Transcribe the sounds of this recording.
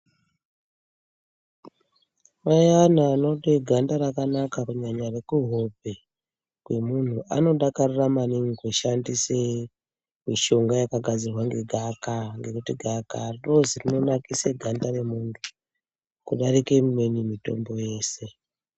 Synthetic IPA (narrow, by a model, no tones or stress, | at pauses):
majanaːnoɗeɡʱandaɾakanakakuɲaɲare̞kuɦope | kwe̞mun̤uʔano̞ɗakariramaniŋikweʃandise | miʃo̞ŋɡajakaɡʱad͡zirwaŋɡeɡʱakaŋɡe̞kutiɡʱakarirozirino̞nakiseɡʱandare̞muːndu | kuɗaɾike̞mume̞nimito̞̰mbo̞je̞ːse̞